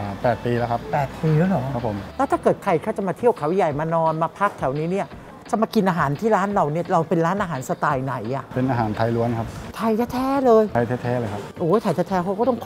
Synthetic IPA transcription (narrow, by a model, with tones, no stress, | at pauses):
pɛː˨˩t̪̚piː˧lɛː˦˥kʰa˦˥ppɛː˨˩t̪̚piː˧lɯː˦˥lɔː˨˩˦a˦˥pʰːo˨˩˦mlɛ˦˥t̪ʰaː˥˩kɤː˨˩t̪̚kʰa˧jkʰaː˥˩t͡ɕa˨˩maː˧t̪ʰi˥˩əwkʰa˩˦wja˨˩jmaː˧nɔː˧nmaː˧pʰa˦˥k̚t̪ʰɛ˨˩˦wniː˦˥ni˥˩ɐ | t͡ɕa˨˩maː˧ki˧nʔaː˧ɦaː˩˦nt̪ʰiː˥˩ɾaː˦˥nɾa˧wni˥˩ɐɾa˧wpe˧nɾaː˦˥nʔaː˧ɦaː˩˦nsa˧t̪aː˧jna˩˦jʔa˨˩pe˧nʔaː˧ɦaː˩˦nt̪ʰa˧jlu˦˥ənkʰa˦˥p̚t̪ʰa˧jt̪ʰɛː˧˥˩t̪ʰɛː˦˥lɤː˧jtʰa˧jt̪ʰɛː˦˥t̪ʰɛː˦˥lɤː˧jkʰa˦˥pʔoː˨˦jt̪ʰa˧jt̪ʰɛ˧˥t̪ʰɛː˦˥kʰa˦˥wkaɔ˥˩t̪ɔ˥˩ŋkʰ